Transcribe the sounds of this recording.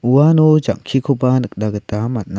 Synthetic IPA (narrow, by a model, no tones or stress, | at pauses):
uwanud͡ʒaŋkʰikʰupanɯk̚daɡətamat̚na